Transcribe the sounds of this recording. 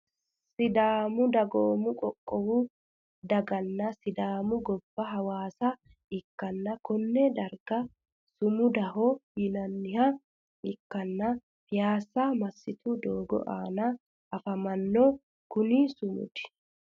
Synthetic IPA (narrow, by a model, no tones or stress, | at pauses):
sɪd̪aːmʊd̪ɐɡoːmʊkʼɔkʼːɔwʊ | d̪ɐɡɐnːɐsɪd̪aːmʊɡɔb̥ːɐɦɐwaːsɐ | ɪkːɐnːɐkɔnːɛd̪ɐɾɡɐ | sʊmʊd̪ɐhɔjɪnɐnːɪhɐ | ɪkːɐnːɐ | fɪjaːsamɐsːɪt̪ʊd̪oːɡɔ̰ʔa̰ːnɐ | ʔɐfɐmɐnːɔ | kʊnɪsʊmʊ̰d̪ɪ̥